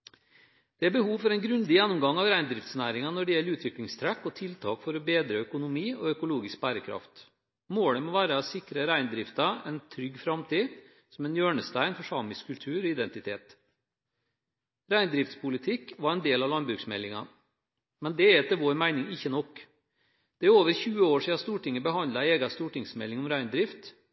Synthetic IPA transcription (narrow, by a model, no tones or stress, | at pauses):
d̪̥ɛæɾbəhuːʋfɔɾɛɪnɡɾʉnd̪ɪjɛnːʊmɡɑŋɑʋɾæɪnd̪ɾɪft̪snæːɾɪŋɑnɔɖɛjɛlːɾʉːt̪ʋɪklɪŋst̪ʰɾækːɔt̪ʰɪlt̪ʰɑ̰ːkfɔɾɔbeːd̪ɾəœkʊnʊmiːɔœkʊloːɡɪsk̚bæːɾəkʰɾɑ̰ft̪ | moːɽəmɔːʋæːɾəɑsɪkɾəɾæɪnd̪ɾɪft̪ɑɛnt̪ʰɾʏɡːfɾɑmt̪ʰiː | sɔmɛnjøːɳəst̪æɪnfɔʂɑːmɪskʰːʉlt̪ʰʉːɾɔɪd̪ɛnt̪ɪt̪ʰeːt̪ | ɾæɪnd̪ɾɪft̪spʰʊlɪt̪ʰɪkːʋɑɾɛnd̪eːlɑʋlɑnbɾʉksmɛ̰lːɪŋɑ | mɛnd̪ɛɛt̪ʰɛʋoːɾmæɪnɪŋɪçːənɔkː | d̪̥ɛæɾoːʋəɾçʉːəoːʂiːɑnst̪uːʈɪŋːəbəɦɑnd̪lɑeːɡɑst̪uːʈɪŋsmɛ̰lːɪŋɔmɾæɪnd̪ɾɪft̪